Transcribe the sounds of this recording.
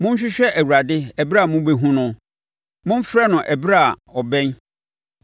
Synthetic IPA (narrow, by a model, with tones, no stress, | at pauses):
mʊ̃˦ɲ̩˦ɕ̬ᶣɪ˦ɕᶣɛ˦ʔæ˨wu˨ɾa˨dɪ˦ɛ˨bɾa˨mʊ̃˦be˦ɦũ˦nʊ̃˨ | mʊ̃˦m̩˦fɾɛ˦nʊ̃˨ʔɛ˨bɾa˨ɔ˨bɛ̃˦n